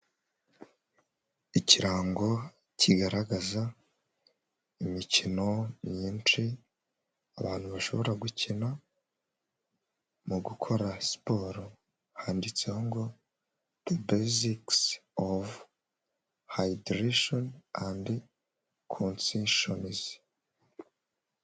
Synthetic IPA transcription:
iciɾaːŋɡo̞ | cʰiɡaɾaɡaza | imicino̞mɲiːnt͡ʃi | aβaːn̥huβaʃo̞βo̞ɾaɡucina | muɡukʰo̞ɾaspo̞ɾo | haːndit͡sehoŋɡo̞ | ðebeziksov | hajidɾiʃonandi | kʰonsiʃoniz̥

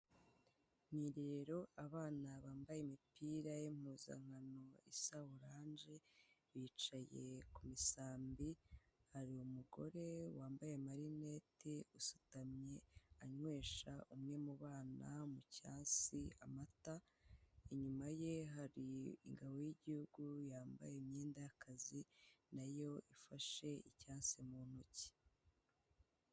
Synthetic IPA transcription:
niːɾeɾeɾo̞aβaːnaβaːmbajemipiːɾajem̥huːza̰ŋ̥hano̞isawuɾaːɲd͡ʒe̞βiːt͡ʃaje̞̰kumisaːmbihaɾiumuɡo̞̰ɾe̞waːmbaje̞maɾine̞ːteusutamɲe̞aɲwe̞ːʃaʔumŋe̞muβaːnamucaːnsiamata | iɲumaje̞ɦaɾiḭŋɡaβo̞jiɟihuɡujaːmba̰jeimɲeːndajakʰazinajo̞ifaʃe̞icaːnsimun̥huci̥

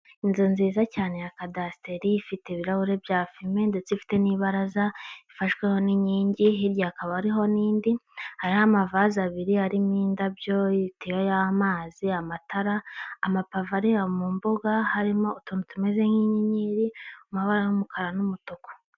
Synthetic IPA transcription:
inzinziːzacaːne̞jakadaste̞ɾiːfiteβiɾahuɾe̞bjaːfimende̞t͡sifi̥te̞niːβaɾazaifaʃɡwe̞ho̞niɲiːɲɟiɦiɾjaːkaβaɾiɦo̞niːndihaɾihamavazaβiɾiaɾimɲiːndabjo̞itijojamaːziamatʰaɾaːmapavaɾiamumboɡahaɾimo̞ːtonutume̞zeŋiɲɲiɾiumhaβaɾajumukʰaɾanumutoko̥

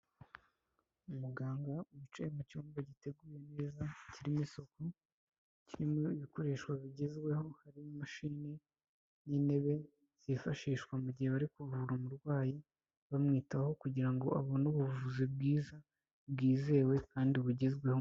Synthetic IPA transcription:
umuɡaːŋɡauβut͡ʃeemat͡ʃuːmbaɟite̞ɡuːje̞neːzaciɾimiso̞ko | ciɾimoiβiko̞ɾe̞ːʃkwaβiɟezɡwe̞ho̞haɾimumaʃine | nine̞βe̞ | z̥ifaʃiːʃkwamuɟiheβaɾikuvuɾamuɾɡwaːji | βamŋiːtaho̞kuɟiɾaŋɡo̞ʔaβonuβuvuzib̚ɡiːza | bɡiːze̞ːwe̞kaːndiβuɟezɡwe̞ho

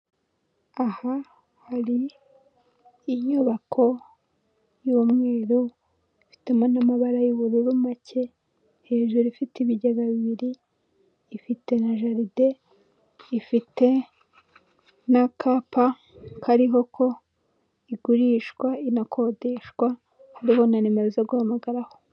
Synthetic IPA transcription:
aha | haɾi | ɲuβakʰo̞ | jumŋe̞ːɾo | ifi̥temonamaβaɾajuβuɾuɾumacʰe̞ | he̞ːʒuɾifitiβiɟaɡaβiβiɾiː | fite̞naʒaɾide̞ | ifite̞ | nakʰapa | kʰaɾiɦo̞kʰo̞ | iɡuɾiʃkwainakʰo̞de̞ʃɡwa | haɾiho̞nanemeɾezoɡuhamaɡaɾaho̞

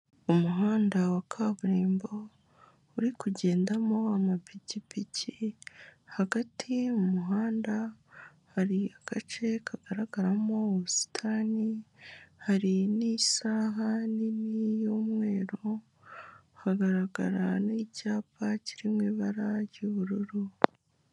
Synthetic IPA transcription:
umuɦaːndawakʰaβuɾiːmbo | uɾikuɟe̞ːndamo̞amapicipici | haɡatʰiumuɦaːnda | haɾiaɡ̥at͡ʃe̞kʰaɡ̥aɾaɡaɾamo̞si̥tʰani | haɾinisaːɦaninijoːmŋe̞ːɾo | haɡaɾaɡa̰ɾanicaːpaciɾimŋwiːβaɾaɾjuβuɾuɾu

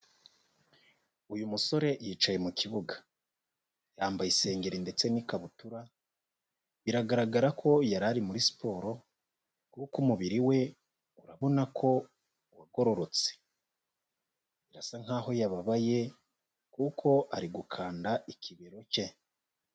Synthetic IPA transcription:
ujumuso̞ɾe̞jiːt͡ʃaje̞mukiβuɡḁ | jaːmbajise̞ːŋɡe̞ɾinde̞t͡se̞nikaβutuɾa | βiɾaɡaɾaɡaɾakʰo̞jaɾaɾimuɾisi̥pʰo̞ːɾo̞ | kukumuβiɾiwe̞ | uɾaβo̞nakʰo̞ | waɡo̞ɾo̞ɾo̞t͡se̥ | iɾasaŋ̥haːho̞jaβaβaje̞ | kukʰo̞ʔaɾiɡukʰaːndaikʰiβeɾo̞ce̞

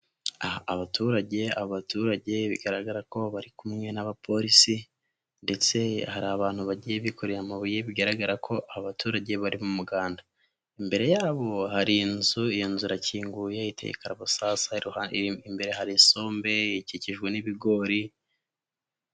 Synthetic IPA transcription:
ahaːβatuɾaɟe̞aβoβatuːɾaɟe̞βḭɡaɾaɡaɾako̞βaɾikumɲenaβapʰo̞ɾisi | nde̞t͡se̞haɾaːβaːn̥huβaɟije̞βikoɾeɾamaβujeβiɡaɾaɡaɾakʰo̞ʔaβaβatuːɾaɟe̞βaɾimumuɡaːnda | imbe̞ɾe̞jaːβo̞ɦaɾinzuijonzuɾaciːŋɡujeite̞̰jḛkaɾaβusasauaimbe̞ɾeɦaɾiso̞ːmbe̞iciciʒɡwe̞niβiɡo̞ɾi

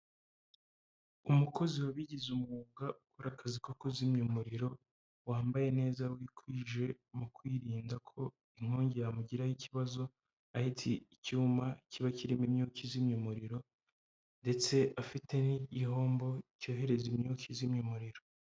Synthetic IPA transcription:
umuko̞ziwaβiɟizumŋuːɡaʔukuɾakazikokozimɲumuɾiɾo̞ | waːmbaje̞ne̞ːzawikwiːʒe̞ | mukwiːɾiːndakʰo̞ | iŋ̥oːɲɟejamuɟiɾajiciβazo̞ | ahitʰiicuːmacʰiβaciɾimimɲuːkizimɲumuɾiɾo̞ | nde̞t͡se̞ʔafitʰe̞niɟiɦo̞ːmbo̞co̞ːɦe̞ɾe̞zimɲuːkʰizimɲumuɾiɾo̞

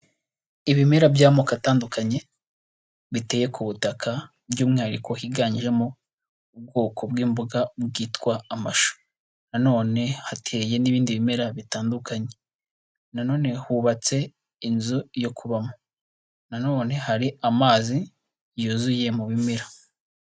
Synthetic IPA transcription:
iβime̞ɾabjaːmokataːndukaɲe̞ | βite̞ːje̞kʰuβutakʰa | bjuːmŋaːɾiko̞hiɡaːɲiʒe̞mo | ub̚ɡo̞ːkʰo̞bɡiːmbuɡabɡiːtkwaːmaʃo̥ | nano̞ːne̞hatʰe̞ːje̞niβiːndiβime̞ɾaβitaːndukaɲe̞ | nano̞ːne̞huβat͡se̞ | inzujo̞kʰuβamo | nano̞ːne̞haɾiamaːzi | juːzuje̞muβimeɾa

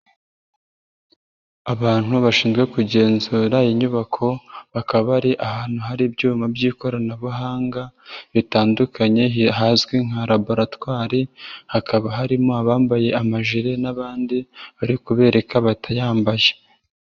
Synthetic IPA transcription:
aβaːn̥huβaʃiːnzɡwe̞kuɟe̞ːnzuɾajiɲuβakʰo̞βakaββaɾiʔaɦaːn̥huɦaɾibɟuːmabɟiːko̞ɾanaβuɦaːŋɡaβitaːndukaɲe̞iɦaːzɡwiŋ̥haɾaboɾatwaːɾihakʰaβaɦaɾimoaβaːmbaje̞amaʒiɾe̞naβaːndiβaɾikuβe̞ːɾe̞kʰaβatʰajaːmbaje

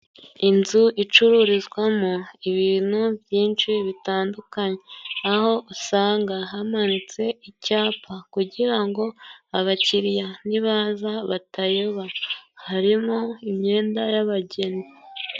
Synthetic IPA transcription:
inzuʔit͡ʃuɾuɾizɡwamuiβiːnuvjiːnt͡ʃiβitaːndukaɲeaho̞ʔusaːŋɡaɦamanit͡se̞icaːpʰakuɟiɾaŋɡo̞aβaciɾjaniβazaβatajo̞βahaɾimoimɲe̞ːndajaβaɟe̞ni

